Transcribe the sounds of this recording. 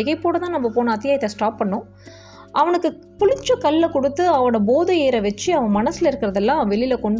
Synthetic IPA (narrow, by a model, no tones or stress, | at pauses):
ɪɣɐɪpːoːɽɐt̪ãːnɐmːɐpoːnɐɐt̪ːɪjaːjɐt̪ːɐsʈaːpːɐɳːʊ̃ː | ʔɐʋɐɳɯkːɯ | pʊɻɪt͡ʃːɐkɐlːɐkɔɽɯt̪ːɯɐʋɐɽɐboːðɐjeːɾɐʋɛt͡ʃːiɐʋɐ̃mɐnɐsɪlɐɪɾɯkːɪɾɐðɛlːãːʋɛɭɪlɐkɔɳɖ